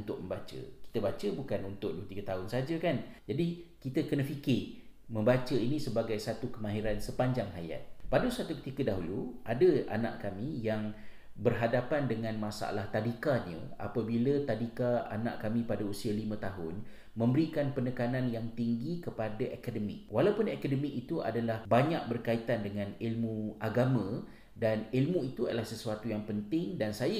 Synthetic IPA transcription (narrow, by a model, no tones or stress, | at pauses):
unt̪ʊʔ̚məmbat͡ʃə̰ki̥t̪əbat͡ʃəbukanunt̪ʊʔ̚dot̪iɡət̪aɦʊnsəɦad͡ʒəkand͡ʒadikit̪əkənəfikɪʔmə̃mbat͡ʃəinĩsəbaɡajsat̪ukəmãɦiɾansəpaɲd͡ʒaŋɦaja̰t̪̚padəsat̪ukət̪ikədaɦuluʔadəa̰na̰ʔkamĩjaŋ | bərɦadapandəŋãnmasa̰laht̪adikaɲə̰̃a̰pabilat̪adikaa̰nã̰ʔkamĩpadausialimə̃t̪aɦʊn | mə̃mbəɾikanpənəkananjaŋt̪iŋɡikəpadaʔakadəmɪ̰k̚walawpʊnakadəmikit̪uʔa̰dalahbaɲak̚bərkait̪andəŋãnilmũaɡamã | danilmũit̪uadalahsəsuat̪ujaŋpənt̪ɪŋdansaja